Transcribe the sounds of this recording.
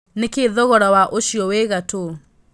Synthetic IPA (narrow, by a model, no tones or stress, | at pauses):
nekeðɔɣɔɾawaʔoʃiɔwɛɣato